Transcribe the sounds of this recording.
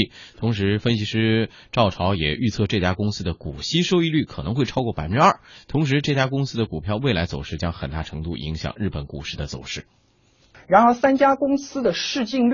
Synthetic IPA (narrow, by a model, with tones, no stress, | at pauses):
t̪ʰʊ˧˥ŋʂɻ̩˧˥fə˥nɕi˧˥ʂɻ̩˥ | ʈ͡ʂɑ˥˩ʊʈ͡ʂʰɑ˧˥ʊjɛ˨˩ʔy˥˧t͡sʰɤ˥˧ʈ͡ʂɤ˥˩t͡ɕja˥kʊ˥ŋsɹ̩˥d̪ə˨ku˨˩ɕi˥ʂo˥ʊi˥˧ly˥˩kʰɤ˨˩nɤ˧˥ŋxwe˥˩ɪʈ͡ʂʰɑ˥kwɔ˥˩pa̰˨ɪə˦˥ʈ͡ʂɻ̩˥ɐ˥˩t̪ʰʊ˧˥ŋʂ̬ɻ̩˧˥ʈ͡ʂɤ˥˩t͡ɕja˥kʊ˥ŋsɹ̩˥d̪ə˨ku˨˩pʰjɑ˥˧ʊwe˥˩ɪla˧˥ɪt͡so˨˩ʊʂɻ̩˥˧t͡ɕjɑ˥ŋxə˨˩nt̪a̰˥˩ʈ͡ʂʰɤ˧˥ŋt̪u˥˩ʔḭ˧˥ŋɕjɑ̰˨˩ŋɻ̩˥˩pə˨˩nku˥˧ʂɻ̩˥˩d̪ə˩t͡so̰˨˩ʊʂɻ̩˥˩ | ɻa˧˥nxə˧˥sa˥nt͡ɕja˥kʊ˥ŋsɹ̩˥d̪ə˨ʂɻ̩˥˧t͡ɕi˥˧ŋl